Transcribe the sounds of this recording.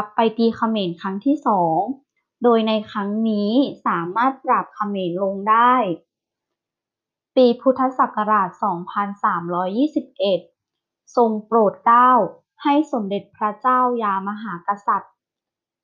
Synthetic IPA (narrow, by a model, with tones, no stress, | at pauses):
ka˨˧˩pːa˧jt̪iː˧kʰa˧meː˨˩nkʰa˦˥ŋt̪ʰiː˥˩sɔː˩˦ŋ | doː˧jna˧jkʰɾa˦˥ŋniː˦˥saː˩˦maː˥˩t̪̚pɾa˨˩p̚kʰa˧meː˧nlo˧ŋdaː˥˩j | piː˧pʰu˦˥t̪ʰːa˧sa˨˩ka˧ɾaː˨˩t̪̚sɔː˩˦ŋpʰa˧nsaː˩˦mɾɔː˦˥jːiː˥˩si˨˩p̚ʔe˨˩t̪̚ | so˧ŋpɾoː˨˩t̪̚kaː˥˩w | ha˥˩jso˩˦mde˨˩t̪̚pʰɾa˦˥t͡ɕaː˥˩wjaː˧ma˧ɦaː˩˦ka˧sa˨˩t̪̚